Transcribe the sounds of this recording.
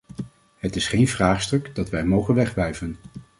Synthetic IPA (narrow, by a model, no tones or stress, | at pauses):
ɦətɪsχejnvraːχstɵkdɑtʋɛjmowχənʋɛχʋɛjvən